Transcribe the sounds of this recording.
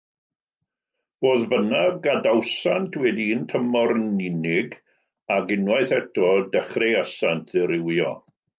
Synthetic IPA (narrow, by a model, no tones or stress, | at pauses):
v̥oːðbənaɡadawsantʰwɛdintʰəmɔrnɪnɪɡ | aɡɪnwaɨθɛtɔdəχrejasantʰðɪɾɪwjɔ̰